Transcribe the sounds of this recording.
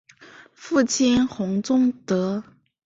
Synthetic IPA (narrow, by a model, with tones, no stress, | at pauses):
fu˥˩t͡ɕʰi˥nxʊ˧˥ŋt͡sʊ˥ŋt̪ɤ˧˥